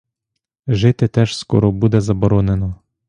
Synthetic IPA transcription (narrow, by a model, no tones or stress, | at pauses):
ʒɪt̪ʲɛt̪ɛʃskɔ̰ɾɔbud̪ɛzɐbɔɾɔnɛnɔ